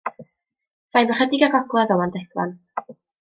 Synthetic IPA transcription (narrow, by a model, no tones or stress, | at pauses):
sajvɔχədiɡaɡɔɡlˠɛðɔlˠandɛɡlˠa̰n